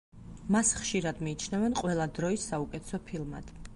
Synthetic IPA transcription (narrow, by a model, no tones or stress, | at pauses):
masχʃiɾad̪miːt͡ʃʰnavɛnqʼwɛlˠad̪ɾɔisːaukʼɛt̪sɔpʰilˠma̰d̪̥